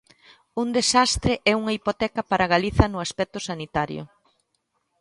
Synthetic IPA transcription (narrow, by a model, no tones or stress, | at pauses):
und̪esast̪ɾeʔɛuŋɐipot̪ɛkɐpaɾaɣaliθɐnʊaspɛk̚t̪ʊsanit̪aɾjʊ̰